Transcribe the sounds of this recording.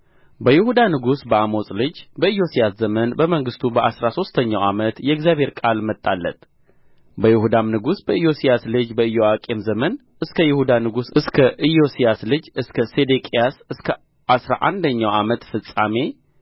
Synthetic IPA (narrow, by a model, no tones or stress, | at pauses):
bəjɪhud̪anɨɡusbəamo̞sʼlɨd͡ʒbəɨjːo̞sijaszəmənbəməŋɡɨst̪ʰubəʔasɾaso̞st̪ʰəɲːawamət̪jɛɪɡzjaβhe̞ɾkʼalmət̪ʼːalːə̰t̪ | bəjɪhud̪amnɨɡusbəɨjo̞sijaslɨd͡ʒbəɨjoakʼe̞mzəmən | ɨskʰəjɪhud̪anɨɡusɨskʰəʔɨjosijaslɨd͡ʒɨskʰəsed̪ekʼijasɨskʰə | ʔasɾa̰ʔa̰nd̪əɲːawamət̪fɨsʼame̞